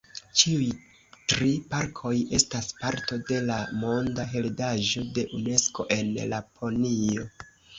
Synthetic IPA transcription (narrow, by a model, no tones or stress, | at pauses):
t͡ʃiuj | tɾipaɾkʰo̞je̞staspaɾto̞de̞lamo̞ndaɦe̞ldaʒo̞de̞ʔune̞sko̞̰ʔe̞nlapʰo̞nio̞